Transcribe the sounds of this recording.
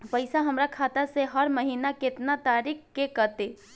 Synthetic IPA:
pəɪsaɦəmɾakʰaːt̪əseɦəɾməɦinaket̪nat̪aːɾikkekət̪e

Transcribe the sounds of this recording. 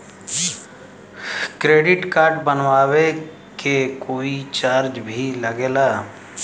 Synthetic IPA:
kɾeːɖɪʈkaːɾʈbənʋaːwe | kekoːit͡ʃaːɾd͡ʒbʱiləɡeːlaː

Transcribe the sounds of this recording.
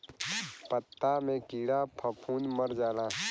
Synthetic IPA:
pət̪ːamẽkiːɽapʰəpʰuːnməɾd͡ʒaːlaː

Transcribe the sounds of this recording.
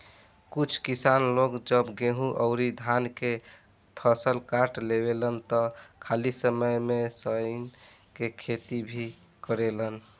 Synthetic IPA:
kut͡ʃʰkisanlokd͡ʒəbɡeɦũʔəʊɾid̪ʱanke | pʰəsəlkaɾʈleβelənt̪ɔkʰalisəməjmesəjn | kekʰet̪ibʱi | kəɾelən

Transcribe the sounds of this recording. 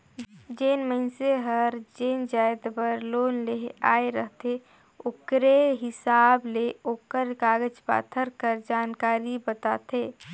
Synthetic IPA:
d͡ʒeːnməɪnseɦəɾd͡ʒeːnd͡ʒaːjd̪bəɾloːnleɦa̰ːeɾəɦt̪e | okɾeɦɪsaːbleoːkəɾɡaːɡəd͡ʒpa̰ːt̪ʰəɾkəɾd͡ʒaːnkaːɾibət̪at̪ʰeː

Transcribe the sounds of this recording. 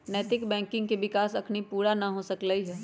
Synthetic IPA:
nɛːt̪ɪkbɛ̃ːŋkɪ̃ŋɡkeʋɪkaːsɐkʰnipuːɾanɐɦosɐkləiɦɛː

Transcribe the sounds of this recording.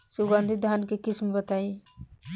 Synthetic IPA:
sʊɡãːnd̪ʱid̪ʱaːnkekɪsmbət̪aːiː

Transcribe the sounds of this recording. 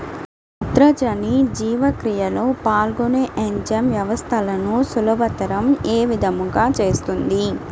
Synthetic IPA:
ɐt̪ɾɐd͡ʒɐnid͡ʒiːʋɐkɾijɐlopaːlɡoneʔeɲd͡ʒɐmʋjɐʋɐst̪ʰɐlɐnusulɐbʱɐt̪ɐɾɐmeːʋid̪ʱɐmuɡaːt͡ʃe̞ːst̪und̪i

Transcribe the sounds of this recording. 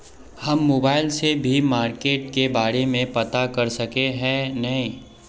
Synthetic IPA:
hɐmːoːbaːɪlsebʱimaːɾkeːʈkebaːɾemẽpɐt̪akɐɾsɐkeɦɛ̃nɐɦĩː

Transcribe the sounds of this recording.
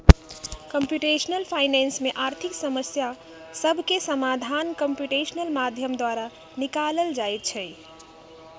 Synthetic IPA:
kəmpjuʈesənəlpʰajnɛnsmeʔaɾt̪ʰiksəməsja | səbʱkesəmad̪ʱankəmpjuʈesənəlmad̪ʱjəmd̪waɾa | nikaləld͡ʒajt̪̚t͡ʃʰɛj

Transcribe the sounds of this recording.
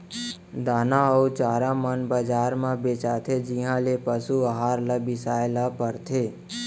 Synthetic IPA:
d̪aːnaəut͡ʃaːɾãmənbəd͡ʒaːɾmãbeːt͡ʃat̪ʰed͡ʒiɦãlepəsuəɦaːɾləbɪsaːelapəɾt̪ʰeː

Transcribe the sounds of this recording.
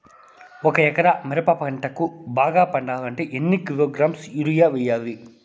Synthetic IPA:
ɔkɐjɛkɐɾɐmɐɾɐpɐpɐɐɳʈɐkubaːɡaːpɐɳɖaːlɐɳʈeːʔenːikujoːɡɾaːmsiɾujaːʋɛjːaːli

